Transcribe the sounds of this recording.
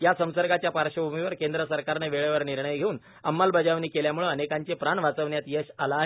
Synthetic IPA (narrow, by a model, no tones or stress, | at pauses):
jasə̃w̃səɾɡat͡ɕjapaɾɕəbʱumiʋəɾkend̪ɾəsəɾkaɾneʋeɭəʋəɾniɾɳəjɡʱeuːn | əmːalbəd͡ʑaʋniːkeljamuɭəənekãɲt͡ɕepɾaɳʋat͡səʋɳjat̪jəɕala